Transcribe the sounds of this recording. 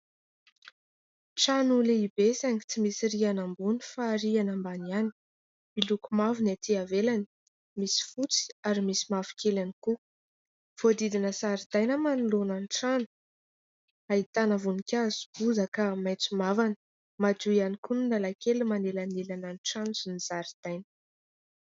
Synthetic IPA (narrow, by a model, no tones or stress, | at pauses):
ʈ͡ʂanuleibesaŋi̥t͡simisiɾianambunifaɾianambaniani̥ | milukumavunat̪ʰiavelani̥ | misi̥fut͡si̥aɾimisimafi̥kelaniku | v̥od̪id̪inəsaɾid̪ajnəmanulonanʈ͡ʂanu̥ | ait̪anəvunikʲazu̥b̥uzakamajt͡sumavan | mad͡ʒuianikuninalakelimanelanelananʈ͡ʂansinizaɾid̪̥ajnə